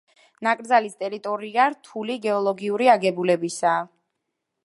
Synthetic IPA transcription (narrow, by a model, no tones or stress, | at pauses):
nakʼɾd̪zalist̪ʼɛɾit̪ʼɔɾiaɾt̪ʰuliɡɛɔlˠɔɡiuɾiaɡɛbulɛbisaː